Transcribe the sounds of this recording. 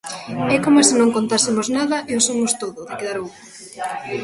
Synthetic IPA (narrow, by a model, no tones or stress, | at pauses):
ɛkomɐsɪnõŋkont̪asɪmoznaðɐʔɛosomost̪oðʊðɪkeðaɾowʊ